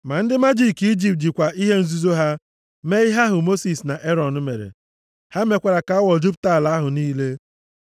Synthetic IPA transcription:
ma˨n̩˦dɪ˦ma˦d͡ʒi˨ki˦d͡ʒi˨p̚d͡ʒi˨kʷa˨ʔi˦ɦe˦n̩˦zu˦zo˦ɦa˦ | me˦ɪ˦ɦa˦ɦʊ˨mo˦si˨sna˨ʔe˦ɾɔ˨n̩˦me˨ɾḛ˨ | ha˦me˨kʷa˨ɾa˨ka˨˦a˦wɔ˨d͡ʒu˦pta˦˨la˨˦a˦ɦʊ˨niː˦le˦

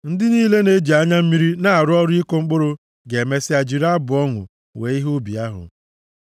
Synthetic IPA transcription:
n̩˦dɪ˦niː˦le˦ne˦d͡ʒi˨a˦ɲa˦m̩˦mi˦ɾi˦na˦a˨ɾʊ˦ɔ˦ɾʊ˦i˦ko˦ŋ͡m̩˦k͡po˦ɾo˨ | ɡe˨me˦sɪ˦a˨d͡ʒi˨ɾa˦bʊ˨ɔ˦ŋʊ̰˨ | we˨˦i˦ɦʊ˦bi˨a˦ɦʊ̰˨

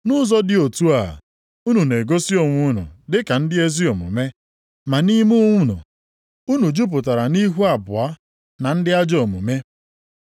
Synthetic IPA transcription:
nʊ˦zɔ˦dɪ˦o˨tu˦a̰˨ | u˦nu˨ne˨ɡo˦si˦o˦˨ŋʷʊ˦nʊ̰˨dɪ˦ka˨n̩˦dɪ˦e˦zi˦o˨mʊ̰˨me˦ | ma˨ni˦mu˦ŋʷʊ˦nʊ̰˨ | u˦nu˨d͡ʒu˦p̬ʊ˨ta˨ɾa˨ni˦ɦu˦a˨bʊ˨a˦ | na˨n̩˦dɪ˦a˦d͡ʒo˨mṵ˨me˦

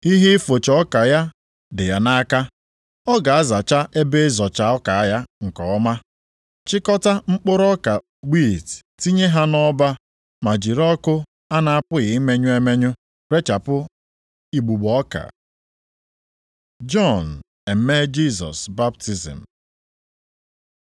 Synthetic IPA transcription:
i˦ɦi˦fo˨t͡ʃɔ˦ka˨ja˦ | dɪ˨ja˨na˦ka˦ | ɔ˦ɡa˨a˦za˨t͡ʃa˦ʔe˦be˦zɔ˨t͡ʃa˨ɔ˦ka˨˦ja˦ŋ̩˨kɔ˨ɔ˦ma˦ | t͡ʃɪ˦kɔ˦ta˦ŋ͡m̩˦k͡pʊ˦ɾɔ˦ka˨ | ɡ͡bi˦˨t | ti˦ɲe˦ɦa˦nɔ˦ba˦ | ma˨d͡ʒi˨ɾɔ˦kʊ˦ | a˦na˨a˨pʊ˦ɣɪ˨i˦me˦ɲʊ˦e˦me˦ɲʊ˦ | ɾe˦t͡ʃa˨pʊ˦ | i˨ɡ͡bu˨ɡ͡bɔ˦ka̰˨ | d͡ʒɔ˦n˨ | e˨m̩˦me˦d͡ʒi˦zɔ̰˨sba˦p̚ti˨zḭ˨m̩˨

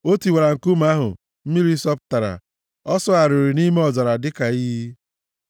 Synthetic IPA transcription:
o˦ti˨we˨ɾa˨ŋ̩˨ku˦m˦a˦ɦʊ̰˨ | m̩˦mi˦ɾi˦sɔ˦p̚ta˨ɾa̰˨ | ɔ˦sɔ˦a˨ɾʊ˨ɾi˨ni˦me˦ɔ˨zɔ˨ɾa˨dɪ˦ka˨i˦ɦi˦

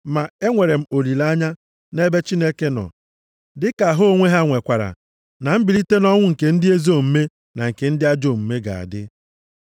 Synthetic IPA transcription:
ma˨e˦ŋʷe˨ɾe˨m̩˨o˨li˨la˦ɲa˦ | ne˦be˦t͡ʃi˦ne˦ke˦nɔ̰˨ | dɪ˦ka˨ɦo˦ŋʷe˦ɦa˦ŋʷe˨kʷa˨ɾa̰˨ | na˨m̩˦bi˨ɾi˦te˦nɔ˦ŋʷʊ˦ŋ̩˨ke˨n̩˦dɪ˦e˦zo˦˨m̩˦me˦ | na˨ŋ̩˨ke˨n̩˦dɪ˦a˦d͡ʒo˦˨m̩˨me˦ɡa̰˨a̰˨dɪ̰˦

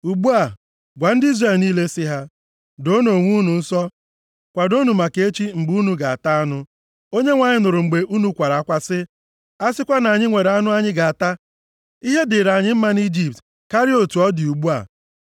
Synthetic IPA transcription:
u˨ɡ͡bu˦a˨ | ɡʷa˨n̩˦di˦zre˦˨lniː˦le˦sɪ˦ɦa˦ | do˦no˨ŋʷu˦nu˨n̩˦sɔ˦ | kʷa˨do˦nu˨ma˨ke˦t͡ʃi˦ŋ͡m̩˨ɡ͡bu˦nu˨ɡa˨a˨ta˦a˦nʊ˦ | o˦ɲe˦ŋʷa˨ɲɪ˦nʊ˨ɾʊ˨ŋ͡m̩˨ɡ͡be˨ʔu˦nu˦kʷa˨ɾa˨a˦kʷa˦sɪ˦ | a˦sɪ˦kʷa˦na˨ɲɪ˦ŋʷe˨ɾa˦nʊ˦a˦ɲɪ˦ɡa˨a˨ta˦ | i˦ɦe˦dɪ˨ɾa˨ɲɪ˦m̩˦ma˦n˦i˦d͡ʒi˨p̚t | ka˦ɾi˦o˨tu˨ɔ˦dɪ˨u˨ɡ͡bu˦a̰˨

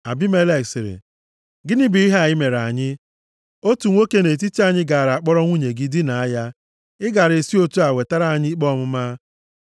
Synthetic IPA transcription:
a̰˨bi˦me˦le˦ksɪ˨ɾɪ̰˨ | ɡɪ˦ni˦bi˨i˦ɦe˦a˨ɪ˦me˨ɾa˨ɲɪ˦ | o˦tu˨ŋʷo˦ke˦ne˨t̬i˦ti˦a˦ɲɪ˦ɡa˨ɾa˨a˨k͡pɔ˦ɾɔ˦ŋʷu˦ɲe˨ɡɪ˦di˦na˨a˦ja˦ | ɪ˦ɡa˨ɾe˨si˦o˦tu˦a˨we˨ta˦ɾa˦a˨ɲɪ˦i˦k͡pɔ˦mʊ˦ma˦

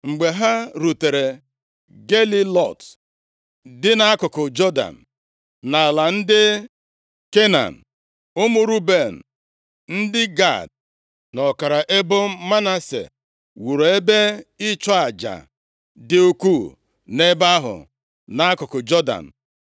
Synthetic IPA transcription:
ŋ͡m̩˨ɡ͡be˨ɦa˦ɾu˨te˨ɾe˨ | ɡe˦li˦lɔ˦˨t | dɪ˦na˦a˦kʊ˨kʊ˨d͡ʒɔ˦da̰˨m̩˨ | na˨la˨n̩˦dɪ˦ | ke˦na̰˨m̩˨ | ʊ˦mu˨ɾu˦be˨n̩˨ | n̩˦dɪ˦ɡa̰˦˨d̚ | nɔ˨ka˨ɾa˨ʔe˦bʊ˦ma˦na˦sḛ˨ | wu˨ɾe˦be˦ɪ˦t͡ʃɔ˦a˨d͡ʒa̰˨ | dɪ˨u˦ku˦ | ne˦ba˦ɦʊ̰˨ | na˨a˦kʊ˨kʊ˨d͡ʒɔ˦da̰˨n̩˨

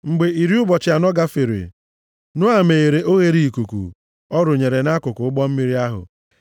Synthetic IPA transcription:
ŋ͡m̩˨ɡ͡be˨i˨ɾi˦ʊ˦bɔ˨t͡ʃɪ˨a˨nɔ˦ɡa˦fi˨ɾḭ˨ | nʊ˦a˨me˨e˨ɾe˨ʔo˦ɣe˦ɾi˦˨ku˨kṵ˨ | ɔ˦ɾʊ˨ɲe˨ɾe˨na˦kʊ˨kʊ˨ʊ˦ɡ͡bɔ˦m̩˦mi˦ɾi˦a˦ɦʊ̰˨

